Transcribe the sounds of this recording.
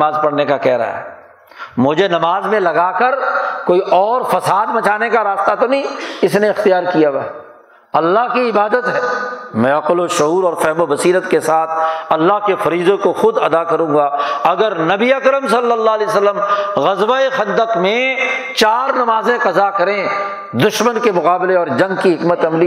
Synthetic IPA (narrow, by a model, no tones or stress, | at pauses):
aːzpɐɽnekakɛːɾa̰ɦɛ̰ː | mʊd͡ʒʱenɐmaːzmẽlɐɡakɐɾkoːiʔɔːɾfɐsaːd̪bɐt͡ʃaːnekaɾaːst̪at̪onɐĩɪsneɪxt̪ijaːɾkijawa | ɐlːaɦkiɪbaːd̪ət̪ɦɛːmɛ̃ɐqloʃʊɦuːɾɔːɾfɛɦmobɐsiːɾət̪kesaːt̪ʰɐlːaɦkefɐɾiːzõkoxʊd̪ɐd̪akɐɾũːɡaɐɡəɾnɐbiɐkɾəmsɐlːəlːaɦlesəlːəmɣɐzʋaexɐ̃nd̪əqmẽt͡ʃaːɾnɐmaːzẽqɐzakɐɾẽ | d̪ʊʃmənkemʊqaːbɪleɔːɾd͡ʒɐ̃ŋɡkiɦɪkmət̪ɐmli